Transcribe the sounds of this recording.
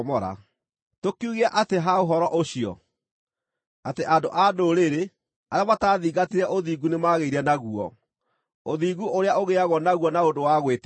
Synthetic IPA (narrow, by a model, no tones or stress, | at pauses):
mɔɾa̰ | tokiuɣeaʔateɦaoɦɔɾɔʔoɕiɔ̰ | ateʔadoʔadoɾeɾe | aɾamataːðiːɡatiɾɛʔoðiːɡunemaɣeiɾɛnaɣuɔ̰ | oðiːɡuʔoɾeaoɣeaɣwɔnaɣuɔnaondowaɣwet